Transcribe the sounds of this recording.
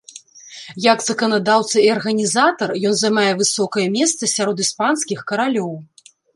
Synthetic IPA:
jɐkzɐkɐnad̪awt̪sɐiɐrɣɐnʲizat̪ɐrjɔnzɐjmajɛvɨsɔkɐjɐmʲɛst̪sɐsʲaɾɔd̪ispanskʲixkɐɾalʲɔw

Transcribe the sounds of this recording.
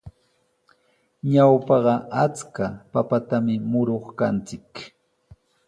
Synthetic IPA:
ɲawpɑɢɑat͡skapapat̪amɪmʊɾoχkant͡sɪk

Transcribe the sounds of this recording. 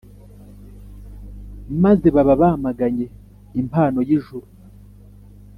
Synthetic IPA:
maze̞βaβaβamaɡaɲe̞ | impaːno̞jiʒuɾu

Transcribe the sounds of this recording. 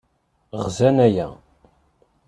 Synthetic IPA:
ʁzænæjæ̰

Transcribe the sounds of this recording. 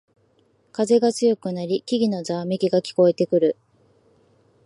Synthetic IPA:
kaze̞ɡat͡sɨjo̞kɯ̟naɾʲikʲiɡʲino̞zaːmekʲiɡakʲi̥ko̞e̞t̪e̞kɯ̟ɾɯ̟

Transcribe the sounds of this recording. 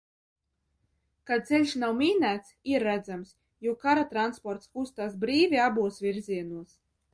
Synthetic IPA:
kad̪̚sɛlʲʃnawmʲiːnæːt̪siɾːæd̪zams | juɔkaɾat̪ɾanspɔɾt̪skust̪aːsbɾiːvʲiabuɔsvʲiɾzʲiɛnuɔs

